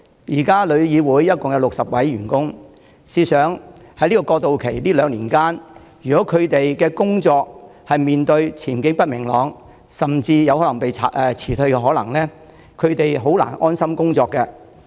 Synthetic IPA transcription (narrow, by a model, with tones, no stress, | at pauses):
jiː˨˩kaː˥lɵ˨˧ɥjiː˨˧wuː˨˥jːɐ˥t̚kʊ˨ŋjɐ˨˧wlʊ˨k̚sɐ˨p̚wɐ˨˥jɥyː˨˩nkʊ˥ŋ | siː˧sœː˨˥ŋ | hɐ˧˥jliː˥kɔː˧kɔː˧k̚t̪o˨wkʰe˨˩jliː˥lœː˨˧ŋliː˨˩nkaː˥n | jyː˨˩kɔː˨˦˥kʰɵ˨˧ɥt̪e˨jkɛː˧kʊ˥ŋt͡ʃɔː˧k̚hɐ˨jmiː˨nt̪ɵ˧ɥt͡sʰiː˨˩nkɪ˥ŋpɐ˥t̚mɪ˨˩ŋlɔː˨˧ŋ | sɐ˨mt͡siː˧jɐ˨˧whɔː˨˥lɐ˨˩ŋpe˨jt͡sʰa˨˧ɛ˨t͡sʰiː˨˩t̪ʰɵ˧ɥkɛ˧ɦɔː˨˥lɐ̰˨˩ŋlɛː˥ | kʰɵ˨˧ɥt̪e˨jɦo˨˥wla̰ː˨˩nʔɔː˥nsɐ˥mkʊ˥ŋt͡sɔː˧kːɛ˧